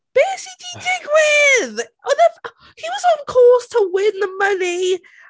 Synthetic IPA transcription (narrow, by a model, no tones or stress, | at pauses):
b̥isididɪɡwɪðəðəf | hiwʌzn̩kʰɔˑstʰəwɪ̃nðəmʌni